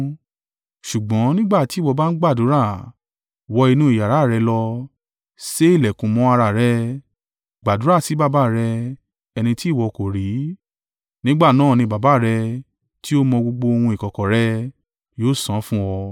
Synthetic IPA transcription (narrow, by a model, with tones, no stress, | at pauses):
ʃu˨ɡ͡bɔ̃˨˦nĩ˦ɡ͡ba˦˨ti˨˦wɔ˧ba˦n̩˦ɡ͡ba˦˨du˨˦ɾa˦˨ | wɔ˧i˧nũ˦i˨ja˨ɾa˨˦˨ɾɛ˧lɔ˧ | se˦i˦˨lɛ˨kũ˨˦mɔ̃˨˧˦a˧ɾa˧˨ɾɛ˦˧˦ | ɡ͡ba˨du˨˦ɾa˦˨si˨˦ba˦˨ba˦˨ɾɛ˧ | ɛ˧nĩ˧ti˦˨wɔ˨˧ko˨ɾi˨˦ | nĩ˦ɡ͡ba˦˨nãː˦˨nĩ˧ba˨ba˨˦˨ɾɛ˧ | ti˦o˦mɔ̃˧ɡ͡bo˧ɡ͡bo˧o˧hũ˧i˨kɔ˨kɔ˨ɾɛ˧˦ | joː˦˨sã˨˦fũ˦wɔ˧